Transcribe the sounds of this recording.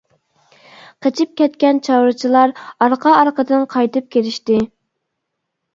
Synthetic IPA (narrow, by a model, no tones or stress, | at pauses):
qʰət͡ʃʰip̚kʲɛt̪kʲɛnt͡ʃʰɑwɾɨt͡ʃʰilˠɑɾɑɾqʰɑːɾqəd̪ɨnqʰɑjt̪ɨp̚kʲeɾɪʃt̪ɪ